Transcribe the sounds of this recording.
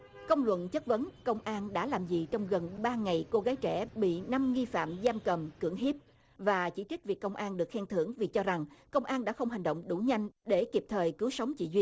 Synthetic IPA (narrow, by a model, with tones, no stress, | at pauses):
kə˧wŋ͡mlwə̰˧˨nt͡ɕə˦˥t̚və˨˦nkə˧wŋ͡mʔaː˧nɗa̰ː˧˥laː˨˩mzḭ˨˩t͡ɕɔ˧wŋ͡mɣə˨˩nɓaː˧ŋa˨˩jko˧ɣaː˨˦jt͡ɕɛ˧˩ɓḭ˧˨na˧mŋi˧fa̰ː˧˨mzaː˧mkə˨˩mkɨ˧˩əŋɦi˦˥p̚ | vaː˨˩t͡ɕḭ˧˩t͡ɕi˦˥k̚vi˨˩əkːə˧wŋ͡mʔaː˧nɗɨ˨˩ək̚xɛ˧ŋt̪ʰɨ˧˩əŋvi˨˩t͡ɕɔ˧za˨˩ŋkə˧wŋ͡mʔaː˧nɗa̰ː˧˥xə˧wŋ͡mɦa˨˩jŋ̟ɗo̰˧˨wŋ͡mɗu˧˩ɲa˧jŋ̟ɗe˧˩ki˨˩p̚t̪ʰəː˨˩jkɨ˨˦wsə˨˦wŋ͡mt͡ɕḭ˧˨zwi˧ən